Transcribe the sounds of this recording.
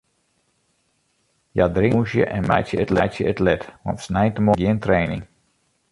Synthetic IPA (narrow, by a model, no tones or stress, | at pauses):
jadrɪuʃjə̰ʔɛnmɛ̰jtjəətlɛjtjəətlɛtʋɔ̰nsnɛjtəmɔɡjɪəntrejnɪ̰ŋ